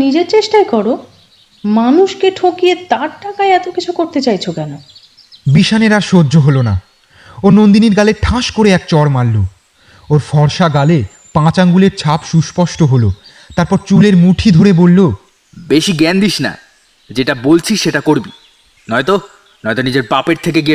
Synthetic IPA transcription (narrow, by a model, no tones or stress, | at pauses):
nid͡ʑeɾt͡ɕeʃʈajkɔɾo | manuʃkeʈʰokiet̪aɾʈakaeɛt̪okit͡ɕʰukoɾt̪et͡ɕajt͡ɕʰokɛno | biʃaneɾaɾʃodːd͡ʑʱoɦolona̰ | onond̪iniɾɡaleʈʰãʃkoɾeɛk̚t͡ɕɔɾmalːo | oɾfɔɾʃaɡale | pãt͡ɕaŋɡuleɾt͡ɕʰapʃuʃpɔʃʈoɦolo | t̪aɾpɔɾt͡ɕuleɾmuʈʰid̪ʱoɾebolːo | beʃiɡɛnd̪iʃna̰ | d͡ʑeʈabolt͡ɕʰiʃeʈakoɾbi | nɔet̪o | nɔet̪onid͡ʑeɾpapeɾt̪ʰekeɡie